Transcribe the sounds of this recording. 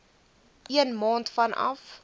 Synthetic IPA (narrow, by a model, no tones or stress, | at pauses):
ʔiənmɑːntfɐnʔɐ̰f